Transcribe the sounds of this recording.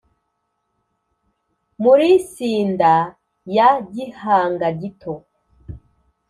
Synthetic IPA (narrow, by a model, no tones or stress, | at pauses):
muɾisiːnda | jaɟihaːŋɡaɟitʰo